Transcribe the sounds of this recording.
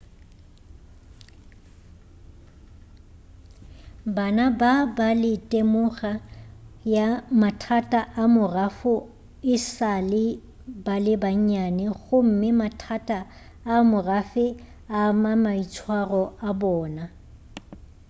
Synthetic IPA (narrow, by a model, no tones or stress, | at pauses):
banababalɪtʼemʊɣajamatʰatʼaʔamʊrafʊ | ɪsalɪ | balɪbaɲ̩ɲanɛɣʊm̩mɪmatʰatʼaː | mʊrafɪ | amamait͡sʰwarɔabɔːna